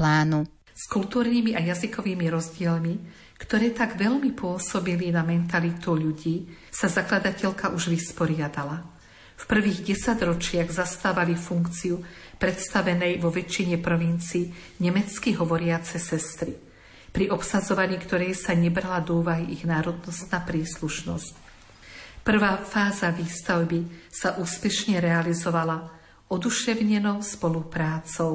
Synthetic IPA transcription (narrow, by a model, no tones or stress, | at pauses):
laːnu | skult̪uːɾniːmiʔajazikɔʋiːmiɾɔzɟɪɛlmi | kt̪ɔɾɛːt̪aɡʋɛʎmipʊɔsɔbilinamɛnt̪alit̪uʎuɟiːsazaklad̪acɛʎkaʔuʒʋispɔɾɪad̪ala | fpr̩ʋiːɣɟɛsaɟɾɔt͡ʃɪaɣzast̪aːʋalifuŋkt͡siupɾɛt̪st̪aʋɛnɛjʋɔʋɛt͡ʃːiɲɛpɾɔʋint͡siː | ɲɛmɛt͡skiɦɔʋɔɾɪat͡sɛsɛst̪ɾi | pɾiʔɔpsazɔʋaɲiːkt̪ɔɾɛjsaɲɛbɾalad̪ɔuːʋaɦiʔiɣnaːɾɔd̪nɔst̪naːpɾiːsluʃnɔ̰sc | pr̩ʋaːfaːzaʋiːst̪aʊbisaʔuːspɛʃɲɛɾɛalizɔʋala | ɔd̪uʃɛʊɲɛnɔʊspɔlupɾaːt͡sɔʊ